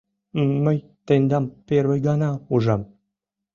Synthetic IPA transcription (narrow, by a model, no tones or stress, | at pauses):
məj | t̪enʲd̪ɑmpeɾβəjɡɑnɑuʒɑm